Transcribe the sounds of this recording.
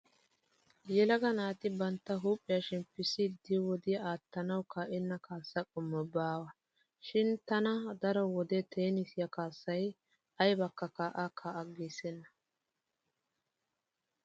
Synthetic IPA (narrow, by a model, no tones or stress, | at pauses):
jɛlɐɡɐnaːt̪ɪbɐnt̪ːɐɦuːpʼːɪjɐʃɪnpɪsɪd̪ɪwɔd̪ɪjaːt̪ːɐnɐwkaːʔɛnːɐkaːsːɐkʼɔmːɔbaːwɐ | ʃɪnt̪ɐnɐd̪ɐɾɔwɔd̪ɛt̪ʰeːnɪsɪjɐkaːsːɐj | ɐjbɐkːɐkaːʔakʰaːʔɐɡiːsɛnːɐ̥